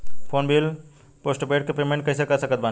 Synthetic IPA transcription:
pʰoːnbil | poːsʈpeːʈkepɾemẽɳʈ̚kɐsekɐsəkət̪̚baː

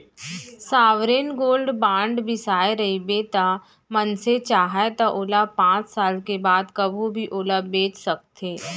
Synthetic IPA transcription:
saːʋɾeːnɡoːlɖbãːɳɖbɪsaːeɾɐɦibet̪a | mɐnset͡ʃaːɦaet̪aʔʊːlapãːt͡ʃsaːlkebaːd̪kɐbʱubʱiʔʊːlabeːt͡ʃsɐk̚t̪ʰeː

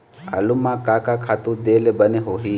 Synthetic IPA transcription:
a̰lumakakakʰat̪ud̪elɛbənɛɦoɦi

